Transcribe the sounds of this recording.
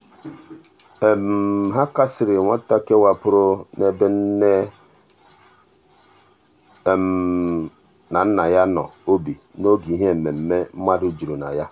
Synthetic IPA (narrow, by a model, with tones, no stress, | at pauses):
e˨m˨ɦa˦ka˦sɪ˨ɾɪ˨ŋʷa˦ta˦ke˦wa˦pʊ˦ɾʊ˦ne˦be˦n̩˦ne˦˨ | m˨ | na˨n̩˦na˨ja˦nɔ̰˨o˦bi˨no˦ɡi˨˦ɦe˦˨m̩˨me˨m̩˦me˦m̩˦ma˦du˦d͡ʒu˨ɾu˨na̰˨ja˦